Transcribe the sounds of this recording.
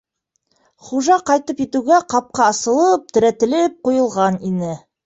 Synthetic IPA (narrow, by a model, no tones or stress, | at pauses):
χuʒɑqɑjt̪ɤpjet̪uɡæqɑp̚qɑːsɤ̆lˠɤp̚t̪ʰɘ̆ɾæt̪ɘ̆lɘp̚qujɤ̆lˠʁɑninɘ